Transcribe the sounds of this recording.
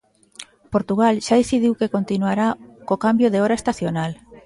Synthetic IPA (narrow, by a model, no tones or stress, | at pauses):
poɾt̪uɣalʃaðeθiðiwkekont̪inuaɾakokambjoðeɔɾaest̪aθjonal